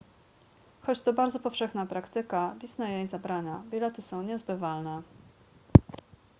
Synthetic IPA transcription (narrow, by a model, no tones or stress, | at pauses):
xɔt͡ɕt̪ɔbaɾd̪zɔpɔfʂɛxnapɾakt̪ɘkad̪ʲisnajɛjzabɾaɲabʲilɛt̪ɘsɔ̃w̃ɲɛzbɘvalnɛ